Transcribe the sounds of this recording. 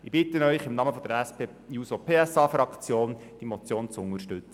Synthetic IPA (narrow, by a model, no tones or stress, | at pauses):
ɪbɪt̪ənœʏχɪmnɑməfɔd̥̪əɾɛspeː | juːsopʰeːɛsɑːfrɑkt͡sjoːnd̥imɔt͡sjoːnt͡sʊŋəɾʃtʉt͡sə̥